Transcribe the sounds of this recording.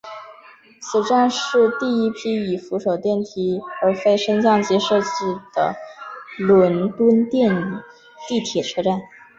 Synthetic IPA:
t͡sʰɹ̩˨˩ʈ͡ʂa˥˧nʂɻ̩˥˧t̪i˥˩i˥pʰi˥i˨˩fu˧˥ʂo˨˩ʊt̪jɛ˥˩nt̪ʰi˥ə˞˧˥fe˥ɪʂə˥ŋt͡ɕjɑ˥˧ŋt͡ɕi˥˧ʂɤ˥˧t͡ɕi˥˩d̪̥ə̰˩ | lə˧˥nt̪wə˥nt̪jɛ˥˧n | t̪i˥˩t̪ʰjɛ˨˩ʈ͡ʂʰɤ˥˧ʈ͡ʂa˥˩n

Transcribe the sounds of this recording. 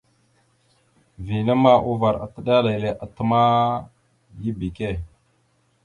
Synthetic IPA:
vi˨na˦ma˦ʔu˦va˨ɾa̰˨tə˦ɗa˦la˨jle˨ʔa˨tə˦ma˦ | ji˦bi˨ke˦˨

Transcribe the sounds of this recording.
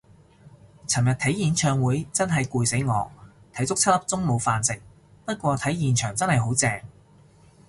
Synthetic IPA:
t͡sʰɐ˨˩mjɐ˨t̪ʰɐ˨˥jjiː˨˧nt͡ʃʰœː˨˧ŋwuː˨˥jt͡sɐ˥nɦɐ˨jkuː˨˧jse˨˥jŋɔː˨˧ | t̪ʰɐ˨˥jt͡sʊ˥k̚t͡sʰɐ˥t̚lɐ˥p̚t͡sʊ˥ŋmo˨˧wfaː˨nsɪ˨ŋ̚ | pɐ˥t̚kʷɔː˧t̪ʰɐ˨˥jjiː˨˩nt͡ʃʰœː˨˩ŋt͡sɐ˥nhɐ˨jɦo˨˥wt͡sɛː˧ŋ

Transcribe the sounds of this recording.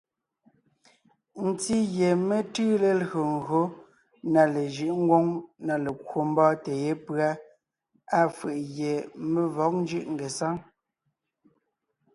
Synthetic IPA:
n̩˨ti˦ɣje˨me˦tɯ˦le˨lɣo˨ŋ̩ɣo˦ | na˨le˨ʒɯ˦ʔŋ̩˦ɡwo˦ŋna˨le˨kwo˨m̩˦bɔː˦te˨je˦pɰa˦ | a˦fɯ˨ʔɣje˨me˦vɔ˨˦k̚n˦d͡ʒɯ˦˨ʔŋ̩˨ɡe˨sa˦ŋ

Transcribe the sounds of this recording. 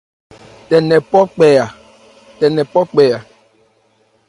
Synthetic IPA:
tɛ˨nɛ̃˨pɔ˦k͡pɛ˨ja˨ | tɛ˨nɛ̃˨pɔ˦k͡pɛ˨ja˨

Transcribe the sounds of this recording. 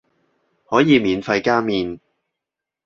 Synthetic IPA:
hɔː˨˥jiː˨˧miː˨˧nfɐ˧jkaː˥miː˧n

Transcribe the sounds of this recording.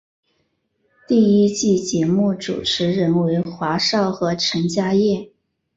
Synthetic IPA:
t̪i˥˩i˥t͡ɕi˥˩t͡ɕjɛ˧˥mu˥˩ʈ͡ʂṵ˨˩ʈ͡ʂʰɻ̩˧˥ɻə˧˥nwe˧˥ɪxwa˧˥ʂɑ˥˩ʊxɤ˧˥ʈ͡ʂʰə˧˥ŋt͡ɕja˥jɛ˥˩

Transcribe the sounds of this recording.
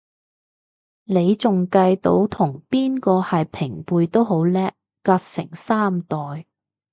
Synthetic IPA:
ne˨˧jt͡sʊ˨ŋkɐ˧jt̪o˨˥wt̪ʰʊ˨˩ŋpiː˥nkɔː˧hɐ˨jpʰɪ˨˩ŋpuː˨˧jt̪o˥wɦo˨˥wlɛː˥kːaː˧t̚sɪ̰˨˩ŋsaː˥mt̪ɔː˨j

